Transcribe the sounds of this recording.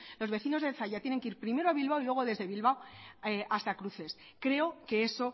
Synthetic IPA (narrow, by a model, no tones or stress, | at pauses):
lo̞zβe̞θino̞zðe̞θaʝat̪jene̞ŋkeiɾpɾime̞ɾo̞aβilβawilweɣo̞ðe̞zðeβilβawʔast̪akɾuθe̞s | kɾe̞oke̞eso̞